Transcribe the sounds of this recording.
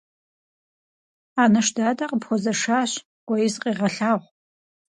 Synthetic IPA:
aːnɐʃdaːdaqʼəpxʷɔzɐʂaːɕ | ɡʷɔjɪzqʼiːʁɐɬaːʁʷ

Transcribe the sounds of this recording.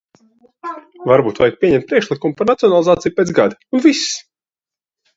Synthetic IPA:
vaɾbuːt̪va̰jk̚piɛɲɛmt̪̚pɾiɛʃlˠikumupaɾnat̪ioɔnalˠizaːt̪sijupeːɡad̪iunviss

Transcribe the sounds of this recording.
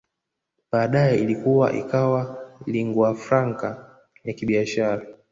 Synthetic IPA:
ɓaːɗajɛilikuwa̰ʔḭkawaliŋɡwafɾaŋka | jakiɓiaʃaɾa

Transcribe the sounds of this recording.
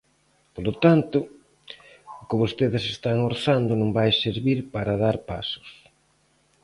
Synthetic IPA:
polot̪ant̪ʊ | ʊkɪβost̪eðɪsest̪aŋoɾθand̪ʊnõŋbajseɾβiɾpaɾɐðaɾpa̰sʊ̥s

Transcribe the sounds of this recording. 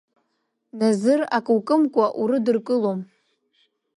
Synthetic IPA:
nazɨrakʼɨwkʼɨmkʷʼaʔuɾɨdɨrkʼɨlom

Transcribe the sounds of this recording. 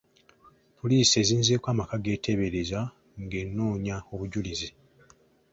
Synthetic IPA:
pʰoliːsie̞ːziːnzeːkwaːmakaɡe̞ːtʰe̞βeɾeza | ŋɡe̞nːoːɲao̞βuɟulizi

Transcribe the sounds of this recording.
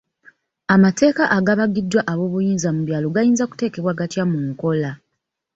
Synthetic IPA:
amate̞ːkaʔaɡaβaɡidːwaʔaβo̞ːβujiːnzamuβjaːloɡajiːnzaku̥te̞ːke̞βwaɡatjamuŋko̞la

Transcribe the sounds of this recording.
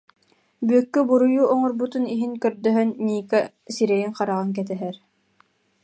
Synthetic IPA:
bykːœbuɾujuʔɔŋɔɾbut̪uniɦiŋkœɾd̪œɦœnːiːkɛ | siɾɛjiŋqaɾaʁaŋk̬ɛt̪ɛɦɛɾ

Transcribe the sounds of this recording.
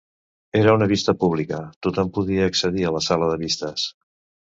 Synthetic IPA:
eɾəunəβ̞ist̪əpuβ̞likət̪ot̪ompuðiəːksəðiələsaləðəβist̪əs

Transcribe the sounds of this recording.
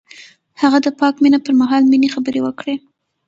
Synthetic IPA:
haɣad̪əpɑkminapəɾmaɦɑlminexabəɾewəkɽe

